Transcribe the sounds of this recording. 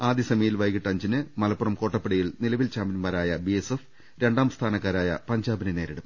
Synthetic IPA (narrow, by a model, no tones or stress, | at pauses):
aːd̪jɐsɐmɐjilʋɐjkiʈːɐɲd͡ʑinɨmɐlɐpːurɐmko̞ːʈːɐpːiɽɐjiɭnilɐʋilt͡ɕaːmbinmaːɾaːjɐbiesef | ɾe̞ɳɖaːmst̪ʰaːnɐkːaːɾaːjɐ̰pɐɲd͡ʑaːbinene̞ːɾiɽɐm